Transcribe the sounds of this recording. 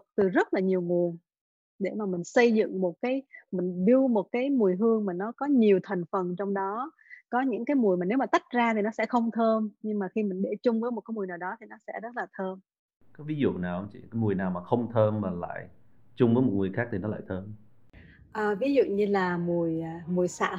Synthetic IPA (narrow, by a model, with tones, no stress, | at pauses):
t̪ɨ˨˩zə˦˥t̚laː˨˩ɲi˨˩əwŋu˨˩əŋ | ɗe˧˩maː˨˩mï˨˩ŋ̟sə˧jzɨ̰˧˨ŋmo˨˩t̚kaː˨˦jmï˨˩ŋ̟ɗɨ˧əwmo˨˩t̚kaː˨˦jmu˨˩əjɦɨ˧əŋmaː˨˩nɔ˨˦kɔ˨˦ɲi˨˩əwt̪ʰa˨˩ŋ̟fə˨˩nt͡ɕɔ˧wŋ͡mɗɔ˨˦ | kɔ˨˦ɲɨ̰˧˥ŋkaː˨˦jmu˨˩əjmaː˨˩ne˨˦wmaː˨˩t̪a˦˥jk̟̚zaː˧t̪ʰi˨˩nɔ˨˦sɛ̰˧˥xə˧wŋ͡mt̪ʰəː˧mɲɨ˧ŋmaː˨˩xi˧mï˨˩ŋ̟ɗe˧˩t͡ɕʊ˧ŋ͡mvəː˨˦jmo˨˩t̚kaː˨˦jmu˨˩əjnaː˨˩wɗɔ˨˦t̪ʰi˨˩nɔ˨˦sɛ̰˧˥zə˦˥t̚laː˨˩t̪ʰəː˧m | kaː˨˦vi˨˦zṵ˧˨naː˨˩whə˧wŋ͡mt͡ɕḭ˧˨kaː˨˦mu˨˩əjnaː˨˩wmaː˨˩xə˧wŋ͡mt̪ʰəː˧mmaː˨˩la̰ː˧˨j | t͡ɕʊ˧ŋ͡mvəː˨˦jmo˨˩t̚ŋɨ˨˩əjxaː˦˥k̚t̪i˨˩nɔ˨˦la̰ː˧˨jt̪ʰəː˧m | ʔəː˨˩vi˨˦zṵ˧˨ɲɨ˧laː˨˩mu˨˩əjmu˨˩əjsa̰ː˧˥